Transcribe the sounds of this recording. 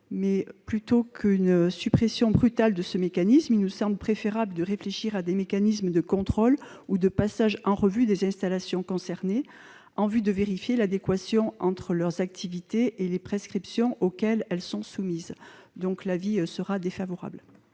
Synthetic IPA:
mɛplyt̪okynsypχesjɔ̃bʁyt̪ald̪əsəmekanismilnusɑ̃bləpχefeʁabləd̪əʁefleʃiʁad̪emekanismd̪əkɔ̃t̪χɔlud̪əpasaʒɑ̃ʁəvyd̪ezɛ̃st̪alasjɔ̃kɔ̃sɛʁne | ɑ̃vyd̪əveʁifjelad̪ekwasjɔ̃ʔɑ̃t̪χəlœʁzak̚t̪ʰivit̪eʔelepχɛskχipsjɔ̃ʔokʲɛlɛlsɔ̃sumizd̪ɔ̃klavisəʁad̪efavɔʁa̰bl

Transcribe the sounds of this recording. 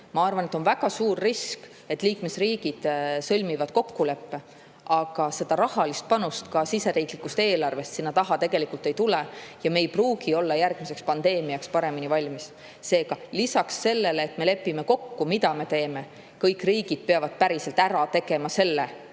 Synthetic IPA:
mɑɑrvɑnet̪ːˑonvæɡ̥ɑsuːrːisk | e̞t̪ːˑliːkme̞sriːɡ̥id̪̥sɤlʲmivɑd̪̥ko̞kːule̞pːe̞ | ʔɑɡ̥ɑse̞d̪̥ɑɾɑhɑlist̪̚pɑnust̪kɑsise̞ɾiːklikust̪e̞ːlɑrve̞st̪sinːɑt̪ɑɦɑt̪e̞ɡ̥e̞likult̪ːˑe̞jt̪ulejɑme̞jpruːɡ̥io̞lːɑjærɡ̥mise̞kspɑnd̪̥e̞ːmiɑkspɑɾe̞minivɑlʲmis | se̞ːɡ̥ɑlisɑksːe̞lːe̞leːt̪me̞le̞pːime̞ko̞kːumid̪ɑme̞t̪e̞ːme̞ | kɤjkːˑriːɡ̥id̪̥̚peɑvɑd̪̥̚pæɾise̞lt̪æɾɑt̪e̞ɡ̥e̞mɑse̞lːe

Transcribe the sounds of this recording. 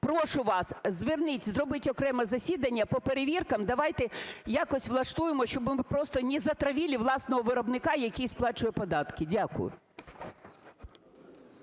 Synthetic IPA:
pɾɔʃʊʋɑszʋɪrnɪtʲzɾɔbɪtʲɔkɾɛmɐzɐsʲid̪ɐnʲːɐpɔpeɾeʋʲirkɐmd̪ɐʋɑjt̪ɛjɑkɔsʲʋlˠɐʃt̪ujemɔʃt͡ʃɔbɪmɪpɾɔst̪ɔnʲizɐt̪ɾɐʋʲilʲiʋlˠɑsnɔɦɔʋɪɾɔbnɪkɑjɐkʲijsplˠɑt͡ʃʊjɛpɔd̪ɑt̪kɪdʲakʊ̰jʊ̰

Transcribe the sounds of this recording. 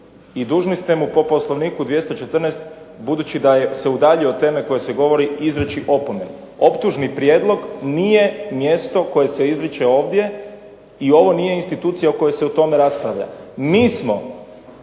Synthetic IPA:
id̪uːʒnist̪emupo̞po̞slˠoʋniːkud̪ʋje̞st̪o̞t͡ʃe̞t̪r̩nest̪ | bud̪uːt͡ɕid̪ajese̞ud̪aːʎiot̪e̞ːme̞ko̞je̞se̞ɡo̞ʋo̞ɾiizɾet͡ʃiʔo̞pomen | o̞pt̪uʒnipɾje̞d̪lˠo̞ɡniːje̞mje̞st̪o̞ko̞je̞se̞izɾit͡ʃeo̞ːʋd̪je̞ | io̞ʋo̞nije̞inst̪it̪uːt̪sijauko̞jeseut̪o̞me̞ɾaspɾaʋʎa̰miːsmo̞

